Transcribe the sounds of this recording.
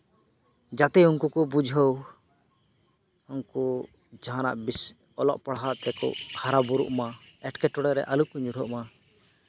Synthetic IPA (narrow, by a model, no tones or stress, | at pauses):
d͡ʒat̪ɛuŋkukɔbud͡ʒʱɦəw | uŋku | d͡ʒaɦana̰ʔbis | ɔlɔ̰ʔpaɽɦat̪ɛkɔ̰ʔhaɾabuɾṵʔmaɛʈkɛʈɔɽɛɾɛʔalukuɲuɾɦɔʔma